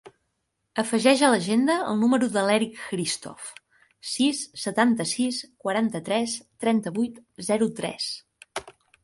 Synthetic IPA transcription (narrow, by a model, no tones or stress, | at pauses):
əfəʒɛʒələʒend̪əə̰lˠnuməɾuðəlɛɾikkɾist̪ɔ̰f | sisːət̪ant̪əsiskwəɾant̪ət̪ɾɛst̪ɾɛnt̪əβujt̪zɛɾut̪ɾɛ̰s